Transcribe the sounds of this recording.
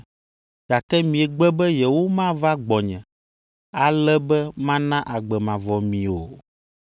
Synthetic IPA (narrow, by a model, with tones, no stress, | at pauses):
ɡ̥a˨kɛ˦mĩ˨ɛ˨ɡ͡bɛ˦bɛ˦jɛ˨wo˦mã˦va˦ɡ͡bɔ˨ɲɛ̃˨ | a˨lɛ˦bɛ˦mã˦nã˦ʔa˨ɡ͡bɛ˨mã˨vɔ˨mĩ˨o˨